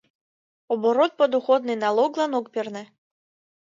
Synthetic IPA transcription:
ɔbɔɾɔt̪̚pɔd̪uxɔd̪nɨjnalˠɔɡlˠanɔkpʲirnɛ

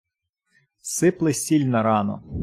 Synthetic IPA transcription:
sɪplˠɪsʲilʲnɐɾɑnɔ̰

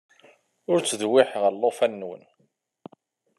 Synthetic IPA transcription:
ʊɾt͡sːðwɪħʁəlˤːofænːwə̰n

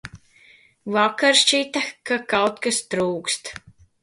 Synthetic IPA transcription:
vakaɾʃt͡ʃit̪akakawt̪kast̪ɾuːkst̪

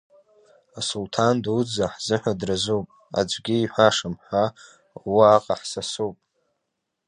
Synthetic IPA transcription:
asultʰandud͡zaħz̥ɨħʷᶣadrazuwpʼ | a̰d͡ʒʷɡʲiiħʷaʂamħʷa | waːqʼaħsasupʼ

